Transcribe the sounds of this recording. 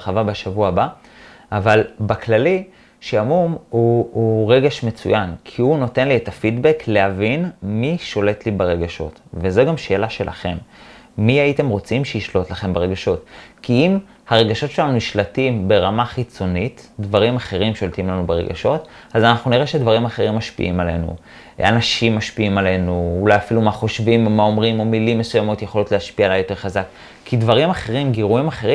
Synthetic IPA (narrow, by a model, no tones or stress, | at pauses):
χavabeʃavuaba | ʔavalbaklali | ʃeamumuuʁe̞ɡeʃme̞t͡sṵjankʰiuno̞te̞nlietafidbeklehavinmiʃo̞le̞tlibeʁeɡaʃo̞̰tvezeɡamʃe̞ːlaʃe̞lʔa̰χe̞mːiaite̞mʁo̞t͡simʃeiʃlo̞t̪laχe̞mbeʁe̞ɡaʃo̞tkiim | haʁe̞ɡaʃo̞tʃe̞lanuniʃlatimbe̞ʁamaχit͡so̞nitdvaʁimaχe̞ʁimʃo̞ltimlanubeʁe̞̰ɡa̰ʃo̞t | azanaχnuniʁeʃedvaʁimaχe̞ʁimːaʃpḭʔimale̞̰nṵ | a̰naʃimːaʃpiimale̞nuulajafilumaχo̞ʃvimmao̞mʁimo̞milimːe̞sujamo̞tjeχo̞lotleaʃpiaːlajo̞te̞ʁχazak | kːidvaʁimaχe̞ʁimɡeʁuimaχe̞ʁi